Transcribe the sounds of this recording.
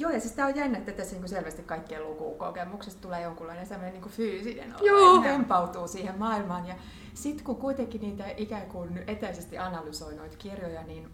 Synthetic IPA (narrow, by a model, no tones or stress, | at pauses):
joːjɑsesit̪æojjæinːæt̪t̪ːæt̪æsniːŋkuselʋæst̪ikkɑikːielːukṵːko̰kemuksest̪t̪uleːjoŋkulːˑɑinesemːoneniːŋkufyːsinḛno̰juːʋempɑut̪uːsiːhemmɑːilmɑːnjɑ | sit̪kukuit̪eŋkiniːt̪æʔikæːkunet̪æisest̪iʔɑnɑlysoinoit̪kirjojɑniːn